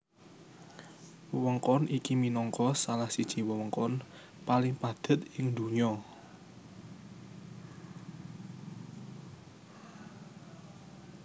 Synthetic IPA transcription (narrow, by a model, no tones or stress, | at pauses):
wəwəŋkɔnikiminɔŋkɔsalahsid̥ʒ̥i̤wəwəŋkɔn | palɪŋpad̪̥ə̤t̪ɪŋd̪ṳɲɔ